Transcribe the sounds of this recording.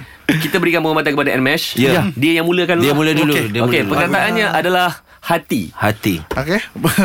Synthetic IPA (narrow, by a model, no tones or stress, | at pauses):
kit̪abəɾikanbəŋomat̪̬ankəpadaʔɛ̰nmɛsjəadiəjaŋmũləkanldiamuləduludiəokepəŋkɾat̪aʔanɲaʔadalah | hat̪ḭhat̪ioke